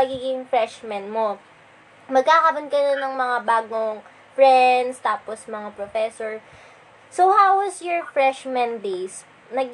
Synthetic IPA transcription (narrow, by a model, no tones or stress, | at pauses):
ɐɡiːɡɪŋfɹɛʃmɛnmo | mɐɡ̚kakɐɾʊnkɐj̪onɐŋmɐŋabaːɡoŋ | fɹɛnd̪st̪aːposmɐŋapɾofɛsoɹ | sohawwɐsjɔɹfɹɛʃmɛ̃nb̪es | nɐɡ